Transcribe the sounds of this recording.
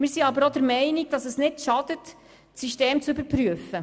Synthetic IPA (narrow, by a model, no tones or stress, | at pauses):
mɪːɾsiɑbəɾod̥̪əɾmɛɪniɡ̚d̥ɑsəsnɪdʃɑd̥ət | siʃteːmt͡sybəɾpɾyəfə